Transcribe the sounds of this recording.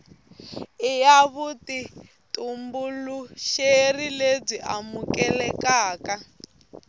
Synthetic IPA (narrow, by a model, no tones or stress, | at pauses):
ijaβuti | tʼumbuluʃerileb͡ʐiʔamukɛlɛkaːka